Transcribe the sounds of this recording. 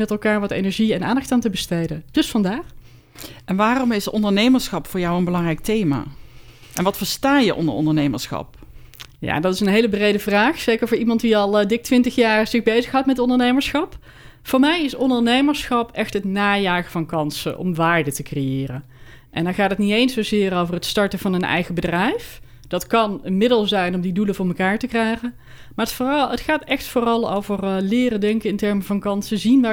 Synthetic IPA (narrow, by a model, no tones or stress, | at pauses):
mɛtɛlˠkaːɹʋɑtḛjnɛɹʒiɛna̰ːndɑxtaːntəbəstejdəd̥ɵsfɑndaːr | ɛnʋaːrɔmɪsɔ̰ndəɹnejməɹsχɑpfʊːɹjɑwənbəlɑŋrɛjk̚tejma̰ːʔɛ̰nʋɑtfəɹstaːjəʔɔ̰ndə̰ɔ̰ndəɹnejməɹsxɑ̰p | ja̰ndɑtɪsənɦejləbrejdəvraːχsejkərvʊːɹimɑntdiɑlˠdɪk̚tʋɪntəxjaːrz̥ɪxbejzəxɦɑwtmɛtɔndəɹnejməɹsxɑp | fʊːɹmɛjɪsɔndəɹnejməɹsχɑpɛxtɦətnaːjaːχəvɑnkɑnsə̰ʔɔ̰mʋaːɹdətəkrejɪːrən | ʔɛ̰ndɑχaːtətnitejnsowzɪːrowvərɦətstɑɹtəv̥ɑnənɛ̰jχəbədrɛjf | d̥ɑtkɑnənmɪdəlˠzɛjnɔmdiduləvʊːɹməkaːɹtəkrɛjχən | maːtfətχaːtɛxtfʊːrɑlˠo̰wvərlɪːrədɛŋkəɪntɛɹməvɑnkɑnsəzinʋaː